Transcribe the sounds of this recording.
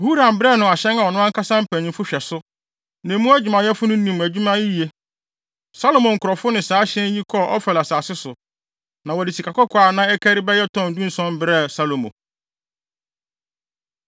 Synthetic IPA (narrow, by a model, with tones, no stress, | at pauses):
hu˦ɾã˨m˨bɪ˦ɾɛ˦˨nʊ̃˨a˨ɕɛ̃˦ŋa˨wɔ˨nʊ̃˦ã˦ŋ˦ka˦sã˦m̩˦pʰæ̃˨ɲɪ̃˨mfʊ˦ɕᶣɛ˨sʊ˦ | nɛ̃˨mũ˦æ˦d͡ʑi˨mã˨jɛ˦fʊ˦nʊ̃˦nĩ˨m˨æ˨d͡ʑᶣu˦mã˦ji˦ji˨e˨ | sa˦lo˨mɔ̃˨ŋ̩˨kʰʊ˨ɾɔ˨fʊ˦nɪ̃˨saː˨˦ɕɛ̃˦n˦ji˦kʰɔ˦ʔɔ̰˦fɛ˨la˨saː˨sɪ˦sʊ˨ | nã˨wɔ˨di˨si˨kʰa˨kɔ˦kʰɔ˨˦a˨nã˦ɛ˦kʰæ˦ɾi˦bɛ˦jɛ˦tʰɔ̃˦˨n̩˨dũ˦n̩˦sɔ̃˦m˦bɪ˦ɾɛ˦˨sa˦lo˨mõ̰˨